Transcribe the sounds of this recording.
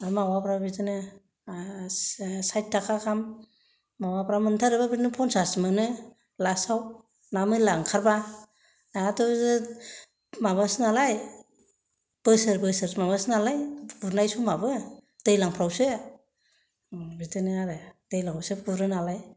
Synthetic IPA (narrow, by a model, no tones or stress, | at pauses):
aɾmawapɾabitɯnɯ | sajt̚tʰakʰakʰamː | awapɾamɯntʰaɾɯbabidnɯpʰɔnsasmɯnɯ | lasaw | namɯlaŋkʰaɾba | naatɔzɯ | mamasnalaj | b̥ɯsɯɾbɯsɯɾmamasnalajbuɾnajsumabɯd̥ejlaŋpʰɾawsɯ | bitɯnɯaɾɯd̥ejlaŋbɯsɯɡuɾɯnalaj